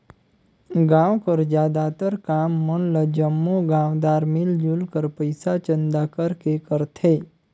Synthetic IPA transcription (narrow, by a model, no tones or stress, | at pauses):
ɡãʋkəɾd͡ʒjaːd̪at̪əɾkamːənləd͡ʒəmːoɡãʋd̪aːɾmɪld͡ʒulkəɾpəjsat͡ʃənd̪akəɾkekəɾt̪ʰe